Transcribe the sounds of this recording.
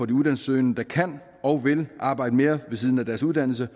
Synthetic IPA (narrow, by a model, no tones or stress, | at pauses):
ɒ̽d̥iuðˠd̥æn̩søɪnəd̥ɑ̈kʰæn̰ | ɒ̽ʊʋe̝lʔɑ̈ːb̥ɑ̈ɪ̰d̥əme̝ːɐʋe̝s̬iːð̞ˠn̩æd̥æɐsuð̥ˠæn̰l̩s̬ə